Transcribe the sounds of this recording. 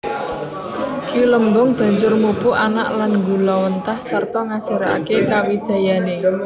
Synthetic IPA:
ɡ̥iuləmbʊŋb̥ä̤ɲd͡ʒʊrmub̥ʊʔana̰ʔlanŋɡulɔwənt̪ahsərt̪ɔŋad̥ʒ̥a̤ɾaa̰kekawid̥ʒ̥a̤jane

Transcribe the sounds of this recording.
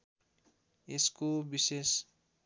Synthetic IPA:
eskobises

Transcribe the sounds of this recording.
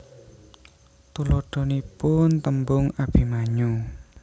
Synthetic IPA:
t̪uloɖ̥ɔ̤nipʊnt̪əmbʊŋab̥i̤maɲu

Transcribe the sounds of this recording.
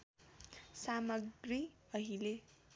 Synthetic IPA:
samʌɡriʌɦile

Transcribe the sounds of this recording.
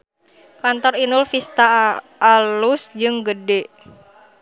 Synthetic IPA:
kant̪ɔrinulfist̪aː | lusd͡ʒɨŋɡədɛ

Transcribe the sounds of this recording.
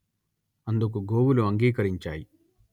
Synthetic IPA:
ɐnd̪uk̬uɡoːwuluɐŋɡiːkɐɾiɲt͡ʃa̰ːji

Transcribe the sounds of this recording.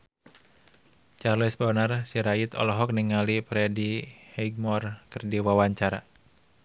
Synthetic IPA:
t͡ʃarlisbɔnarsiɾait̪ɔ̰lɔɦɔk̚niŋalipɾɛdihɛɡ̚mɔrkɨrdiwawaɲt͡ʃaɾa̰

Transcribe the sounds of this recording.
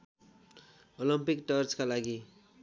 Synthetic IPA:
olimpikʈʌrt͡skalaɡi

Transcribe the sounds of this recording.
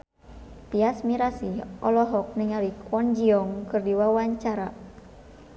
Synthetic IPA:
t̪iasmiɾasiɔlɔɦɔk̚nɪŋaɾikwɔnd͡ʒiɔŋkɨrdiwawaɲt͡ʃaɾa

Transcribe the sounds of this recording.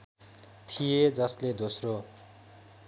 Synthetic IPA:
t̪ʰijed͡zʌsled̪osro

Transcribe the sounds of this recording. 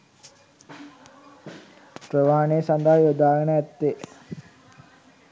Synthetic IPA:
prəʋaːneːsand̪aɦəjod̪aːɡənəæt̪ːe

